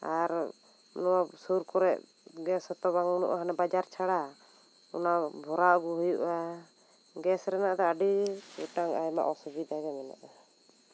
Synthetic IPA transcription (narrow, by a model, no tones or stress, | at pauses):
aɾ | nɔwasuɾkɔɾɛʔ | ɡɛsɔt̪ɔbaŋnṵʔaɦanɛbad͡ʒaɾt͡ʃʰaɽa | ɔ̰nabʱɔɾaʔɡuɦujuʔa | ɡɛsɾɛnaʔd̪ɛaɖiuʈaŋajma̰ʔɔsubid̪aɡɛmɛna̰ʔa